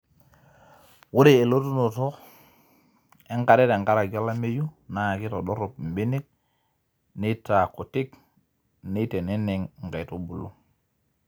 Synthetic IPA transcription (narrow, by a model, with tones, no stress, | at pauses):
wu˦ɾe˦˨e˨lo˦tu˦no˨to˦ | e˦ŋka˨ɾe˦te˨ŋka˦ɾa˨ɡo˦la˦me˦ju˦na˨a˨ki˦to˨ɗo˦ɾo˨p̚m˨bi˦ni˦k̚ | ni˦ta˨ko˨ti˦k | ni˦te˨ne˦ne˨ŋŋ˨ɡa˨to˦bu˨lu˦